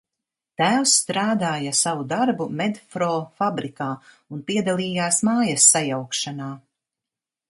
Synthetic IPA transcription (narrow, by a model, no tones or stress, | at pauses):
t̪æːwsːt̪ɾaːd̪aːjasavud̪aɾbumɛd̪fɾɔːfabɾikaː | unpiɛd̪alˠiːjaːsmaːjɐsːajawkʃanaː